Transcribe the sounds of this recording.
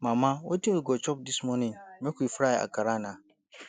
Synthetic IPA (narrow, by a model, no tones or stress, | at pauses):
mãmãwɔtĩiɡɔt͡ʃʰɔb̚dismɔ̃nɪ̃mɛ̃kʰuifɾajɛa̰kʰaɾanã